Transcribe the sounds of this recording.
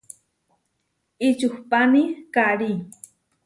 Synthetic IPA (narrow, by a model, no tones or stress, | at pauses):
ɪt͡ʃʊxpanikaɾi